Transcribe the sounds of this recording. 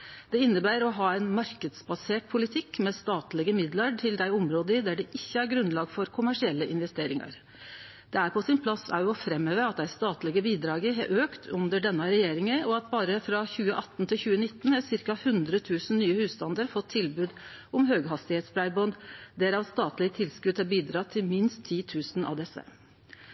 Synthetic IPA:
d̪̥ɛɪnːəbæːɾɔɦɑːɛɪnmɑɾkəd̪sbɑseːʈ̚pʰʊlɪt̪ʰɪkːmɛst̪ɑːt̪lɪɡəmɪd̪lɑʈʰɪld̪æɪʊmɾoːd̪əɪd̪æɖɛʔɪçːəæɾɡɾʉnːlɑːɡfɔɾkʰʊmæʂɪɛlːəʔɪnʋɛst̪eːɾɪŋɑ̰ɾ | d̪̥ɛæɾpʰɔsɪnpʰlɑsæ̰ɾjʊɔfɾɛmːøːʋəɑt̪̚d̪æɪst̪ɑːt̪lɪɡəbiːd̪ɾɑːɡəɦɑ̰ʔøːkt̪ʰʉnd̪əɖɛnːɑɾɛjeːɾɪŋəɔɑt̪bɑːɾəfɾɑçʉːəʔɑt̪ːnt̪ʰɪlçʉːənɪt̪ːnhɑsɪɾkɑhʉnd̪ɾət̪ʰʉːsn̩nyːəhʉːst̪ɑnd̪əɾfɔt̪ʰːɪlbʉːd̪ | ɔmɦøːɡɦɑst̪ɪheːt̪sbʰɾæɪbɔnd̪d̪ɛɾɑʋst̪ɑːt̪lɪət̪ʰɪlskʉd̪hɑɾbiːd̪ɾɑt̪ʰːɪlmɪnst̪ʰːiːt̪ʰʉːsnʔɑ̰ʋd̪ɛsə̰

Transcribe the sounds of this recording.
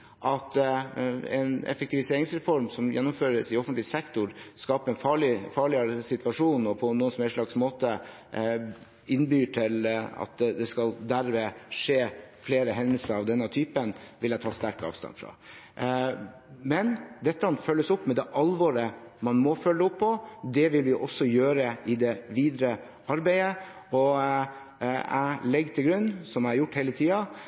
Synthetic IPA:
ʔɑt̪ | ɛ̰nɛ̰fɛk̚t̪ɪʋɪseːɾɪŋsɾɛfɔɾmsɔmjɛnːʊmføːɾəsɪɔfənt̪lɪsɛkt̪ʊɾskɑːpəɾɛnfɑːɭɪfɑːɭɪəɾəsɪt̪ʋɑʂuːnɔpʰɔnːuːənsmɛʂɭɑɡsmoːt̪ə | ɪnːbyːʈʰɪlɑ̰t̪̚d̪ɛskɑld̪æɾmeːʂeːfleːɾəɦɛnd̪əlsəɾɑʋd̪ɛnːət̪ʰyːpənʋɪlæɪt̪ʰɑːst̪æɾkɑ̰ːʋst̪ɑ̰nfɾɑ̰ | mɛnd̪ɛt̪ːəɑnfœlːəsʊpːmɛd̪ɛʔɑlʋɔɾəmɑnmɔfœlːəʊpʰːɔd̪ɛʋɪlʋɪʔɔsɔjøːɾəɪd̪ɛʋiːd̪ɾə | ɑɾbæɪə | ɔ | æ̰ɪlɛɡt̪ʰɪlɡɾʉnːsɔmæɪæɾjʊʈːheɪlət̪ʰiːɑ

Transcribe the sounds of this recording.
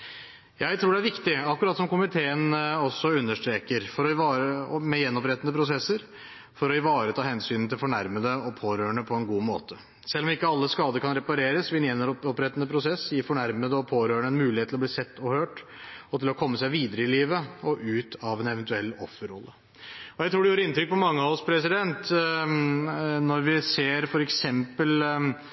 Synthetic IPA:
jæɪt̪ʰɾuːɖɛæɾʋɪkt̪ɪɑkːʉɾɑːt̪sɔmkʊmɪt̪ʰeːənɔsːɔʉnːəʂʈ̪ɾeːkəɾfɔɾɔɑːəmɛjɛnːɔpɾɛt̪ənəpʰɾʊsɛsːəɾ | fɔɾɔɪʋɑːɾət̪ʰɑːhɛnsyːnnt̪ʰɪlfɔɳæɾməd̪əɔpʰoːɾøːəɳəpʰɔɛnɡuːmo̰ːt̪ʰə | sɛlːɔmɪkːəɑlːəskɑːd̪əɾkʰɑnɾɛpɑɾeːɾəsʋɪɛnɛnəɾɔpɾɛt̪ːənəpʰɾʊsɛsjɪfɔɳæɾməd̪əɔpʰoːɾøːɳəɛnmʉːlɪhet̪ʰːlɔb̪liːsɛt̪ːɔhøːʈɔt̪ɪlɔkʰɔmːəsæɪʋiːd̪əɾəɪliːʋəɔʔʉːt̪ʰɑʋɛnɛʋɛnt̪ʉɛlːɔfːəɾɔlːə | ɔjæɪɾuːɖɛjuːɾəɪnt̪ʰɾʏk̚ːpʰɔmɑŋːəɑʋɔspʰɾɛsɪd̪ɛnt̪ | nɔɾʋɪseːɾfɔɾɛksɛmpəl

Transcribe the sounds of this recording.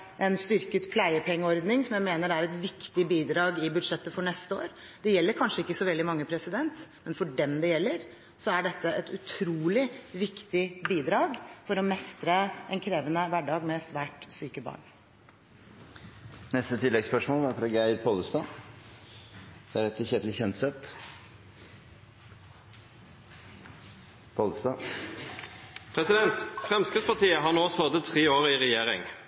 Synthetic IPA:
ʔɛnst̪ʏɾkət̪pʰlæɪəpʰɛŋːəɔɾd̪nɪŋsɔmjæɪmeːnəɾæɾɛt̪ʋɪkt̪ɪbiːd̪ɾɑːɡɪbʉd̪ʂɛt̪ːəfɔɳɛst̪əo̰ːɾ | d̪̥ɛjɛlːəɾkʰɑnʂəɪkːəsɔʋɛld̪ɪmɑŋːəpʰɾɛsɪd̪ɛnt̪mɛnfɔɖɛmd̪ɛjɛlːəɾ | sɔæɖɛt̪ːəʔɛt̪ʉt̪ʰɾuːlɪʋɪkt̪ɪbiːd̪ɾɑːɡfɔɾɔmɛst̪ɾəɛnkʰɾeːʋənəʋæɖɑːɡmɛsʋæːʈsyːkəbɑ̰ːɳ | nɛst̪ət̪ʰɪlːɛɡspœʂmoːlæɾfɾɑːɡæɪɾpʰolst̪ɑː | d̪̥ɛæɾɛt̪ʰːəçeːd̪lɪçɛnt̪sɛt̪ | pʰoːləst̪ɑː | pʰɾɛsɪd̪ɛnt̪fɾʁɛmskəspɑt̪iːəɦɑnoːsod̪ət̪ʰʁeːoːʁiʁɛjeːʁɪ̰ŋ

